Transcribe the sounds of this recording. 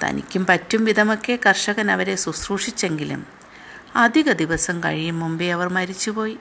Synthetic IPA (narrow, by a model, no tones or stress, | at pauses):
t̪ʰɐ̰nḭkʲːumpɐtːumʋid̪ʱɐmo̞kːe̞kɐrʂɐɣɐnɐʋɐɾe̞susruːʂit͡ɕːe̞ŋɡilṵm | ɐd̪ʱiɣɐd̪iʋɐsɐmkɐ̰ɻijumːumbeɐʋɐrmɐɾit͡ɕːupo̞ːji